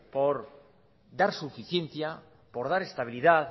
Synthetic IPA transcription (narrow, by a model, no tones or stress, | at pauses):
poɾ | d̪aɾsufiθjen̟θja | po̞ɾð̞aɾe̞st̪aβ̞iliðað